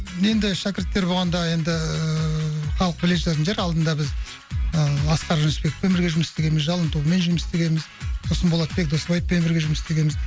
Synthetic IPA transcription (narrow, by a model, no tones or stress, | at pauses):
e̞nd̪ɪʃækʲɪɾt̪ːe̞ɾboʁɑnd̪ɑje̞nd̪ɪ | χɑlˠəq̚bɪleʃeɾənʒeɾɑlˠd̪ənd̪ɑbɪz | əɑsqɑɾʒənspe̞kʲɪ̥fpemɪɾɡʲe̞ʒʊməsst̪e̞ɡʲe̞mɪzʒɑlˠənt̪ume̞nʒʏmɪst̪e̞ɡʲe̞mɪzsosənbo̞lˠɑt̪̚be̞k̚d̪o̞sbɑj̪̚pemɪɾɡʲe̞ʒʊməsst̪e̞ɡʲe̞mɪz